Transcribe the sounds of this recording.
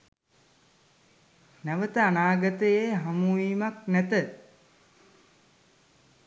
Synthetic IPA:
næʋət̪əanaːɡət̪əjeɦamuiːmaknæt̪ə

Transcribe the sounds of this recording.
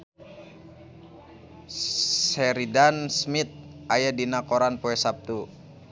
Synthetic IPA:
sɛɾidansmit̪̚ajadinakoɾanpoɛsap̚t̪u

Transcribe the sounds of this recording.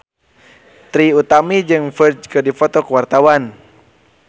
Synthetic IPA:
t̪ɾiut̪amid͡ʒɨŋfərd͡ʒkɨdifɔt̪ɔkəwart̪awan

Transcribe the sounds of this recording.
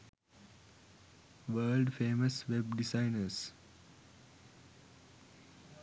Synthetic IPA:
ʋəːlɖfeːməsʋebɖisaɪnəs

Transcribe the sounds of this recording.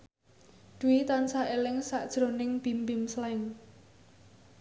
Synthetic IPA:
d̪̥ṳwit̪ansaelɪŋsaʔd̥ʒ̥ɾonɪŋb̥i̤mbɪmslaɪŋ

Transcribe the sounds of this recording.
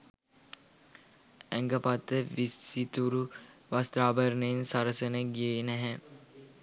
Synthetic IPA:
ɛŋɡəpat̪əʋissit̪uɾuʋast̪ɾaːbəɾnensaɾəsənəɡienæɦɛ

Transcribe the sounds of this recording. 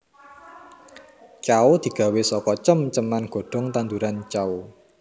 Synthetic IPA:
t͡ʃaod̪̥i̤ɡ̥ä̤wesɔkɔt͡ʃəmt͡ʃəmanɡ̥o̤ɖ̥ɔ̤ŋt̪and̪uɾant͡ʃao

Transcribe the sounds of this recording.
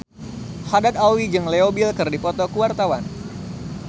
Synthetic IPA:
hadat̪awid͡ʒɨŋleobilkɨrdipɔt̪ɔkuwart̪awan

